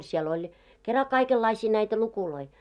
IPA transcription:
siel olʲ kerɑ kɑikelːɑisiː næitæ lukuloi

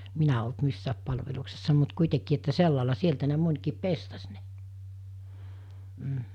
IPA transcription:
minæ olt misːæːp pɑlʋeluksesːɑ mut kuitekiː etːæ selːɑˑelɑ sieltæ ne monʲkiːp pestɑs ne m̩

